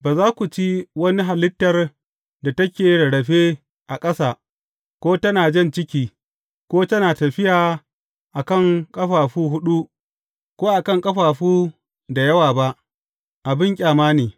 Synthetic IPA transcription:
baː˨zaː˦kʷu˨t͡ʃi˦wɐ˦ni˦ɦa˨lɪ˦tːɐ˨r | da˨tɐ˦kʲeː˨ɽɐ˨ɽɐ˨ɸeː˦ | ʔa˨kʼɐ˦saː˨ | kʷoː˦tɐ˦naː˨d͡ʒɛ˦˨nt͡ʃɪ˦kʲiː˦ | kʷoː˦tɐ˦naː˨tɐ˨ɸɪ˦jaː˨ | ʔa˨kɐ˦˨ŋkʼɐ˦ɸaː˨ɸuː˦ɦʊ˦ɗu˦ | kʷoː˦ʔa˨kɐ˦˨ŋkʼɐ˦ɸaː˨ɸuː˦ | da˨jɐ˦waː˨ba˦ʔ | ʔa˨bɪ˦ŋkʲʼaː˨maː˦neː˨

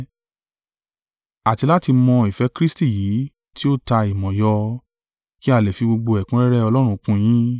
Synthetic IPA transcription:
a˨ti˧la˦ti˧mɔ̃˧i˨fɛ˨˦kɾi˦sti˦˨jiː˨˦ | ti˦o˦ta˧i˨mɔ̃˨jɔ˧ | ki˦a˦˨lɛ˨fi˧ɡ͡bo˧ɡ͡bo˧ɛ˨kũ˨˦ɾɛ˦ɾɛ˦ɔ˧lɔ˦ɾ̃ũ˧kũ˧j̃ĩ˦

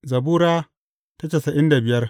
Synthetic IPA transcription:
zɐ˨buː˦ɾaː˦ | ta˦t͡ʃe˨sɐ˨ʔɪ˦nda˨bɪ˨jɐ˦r

